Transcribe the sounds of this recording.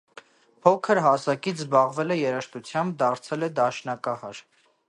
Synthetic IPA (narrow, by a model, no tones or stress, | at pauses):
pʰɔkʰəɾɦɑsɑkit͡sʰzbɑʁvɛlɛjɛɾəʃt̪ut͡sʰjɑmb̚d̪ɑɾt͡sʰɛlɛd̪ɑʃnɑkɑhɑɾ